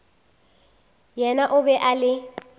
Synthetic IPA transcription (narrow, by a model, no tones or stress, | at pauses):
jɛnaʔʊbɛʔalɪ